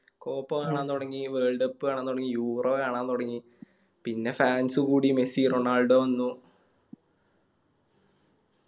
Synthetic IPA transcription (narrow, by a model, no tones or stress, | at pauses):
ko̞ːpːokaːɳaːnːt̪oɽɐŋːiʋeːɭɖɐpːɨkaːɳaːnt̪oɽɐŋːijuːroːkaːɳaːnt̪oɽɐŋːi | pinːe̞faːnsɨkuːɽimesiːroɳaːɭɖoʋɐnːu